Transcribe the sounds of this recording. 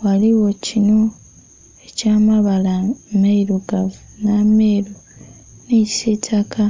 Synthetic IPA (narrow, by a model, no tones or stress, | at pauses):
waliwo̞cino̞ | ecaːmaβalamaiɾuɡavunameːɾo | nisetʰakʰa